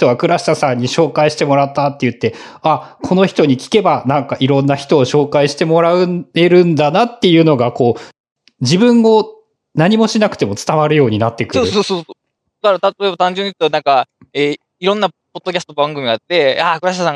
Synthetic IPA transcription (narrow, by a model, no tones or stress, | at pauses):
ç̥t̪o̞βakɯ̟ɾaɕi̥t̪asãɲ̟ːiɕo̞ːkaiɕi̥t̪e̞mo̞ɾat̪ːat̪ːejɯ̟t̪ːe̞akʰo̞no̞çi̥t̪o̞ɲ̟ikʲi̥ke̞banãŋkaʔiɾõ̞nːaçi̥t̪o̞ːɕo̞ːkaiɕi̥t̪e̞mo̞ɾaɯ̟e̞ɾɯ̟̃nd̪anat̪ːe̞jɯ̟ːno̞ɡako̞ː | d͡ʑibɯ̟̃ŋɡo̞ | naɲ̟imo̞ɕinakɯ̟̥t̪e̞mo̞t͡sɨ̥t̪aβaɾɯ̟jo̞ːɲ̟inat̪ːe̞kɯoːɯsoːsoːo | kaɾat̪at̪oebat̪ãɲ̟d͡ʑɨ̃ɲːikɯ̥t̪onãŋka | e | iɾõ̞nːapod̪̥ːo̞kʲasɨ̥t̪obãŋɡɯ̟mʲiɡat̪ːe̞akɯ̟ɾaɕ̬it̪asaŋ